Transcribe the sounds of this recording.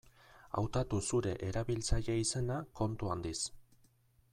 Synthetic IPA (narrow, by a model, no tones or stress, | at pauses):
a̰wt̪at̪usuɾe̞ʔeɾaβilt͡saʎe̞ise̞nako̞nt̪uand̪is